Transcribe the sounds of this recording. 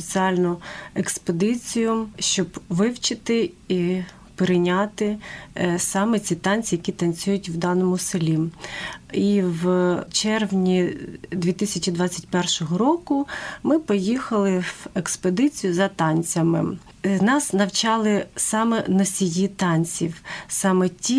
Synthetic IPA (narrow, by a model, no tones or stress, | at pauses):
pʲit͡sʲiɑlʲnʊeksped̪ɪt͡sʲijʊʃt͡ʃɔbʋɪwt͡ʃɪt̪ɪi | peɾɪnʲɑt̪ɪ | sɑmɛt͡sʲit̪ɑnʲt͡sʲijɐkʲit̪ɐnʲt͡sʲujʊtʲwd̪ɑnɔmʊsɪlʲi | iʋt͡ʃɛrʋnʲid̪ʲʋʲit̪ɪsʲɐt͡ʃʲid̪ʋɑt͡sʲːɐt̚ʲpɛrʃɔɦɔɾɔkʊmɪpɔjixɐlˠɪweksped̪ɪt͡sʲijʊzɐt̪ɑnʲt͡sʲɐmɪ | nɑsnɐwt͡ʃɑlˠɪsɑmɛnɔsʲijit̪ɑnʲt͡sʲiwsɑmɛtʲi